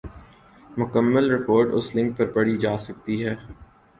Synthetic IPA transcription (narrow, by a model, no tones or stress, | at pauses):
mʊkəmːəlɾɪkoːɾɖʊ̰slɪ̃ŋk̚pɐɾpɐɽ̤id͡ʒaːsɐk̚t̪iɦɛː